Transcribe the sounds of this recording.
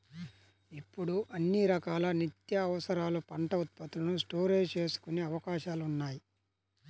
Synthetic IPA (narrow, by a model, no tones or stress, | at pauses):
ipːuɽuʔɐnːiɾɐkaːlɐnit̪jɐːʋɐsɐɾaːlupɐɳʈɐut̪̚pɐt̪ulɐnusʈo̞ːɾeːd͡ʒt͡ʃe̞ːsu̥kuneːɐʋɐkaːʃaːlunːaːji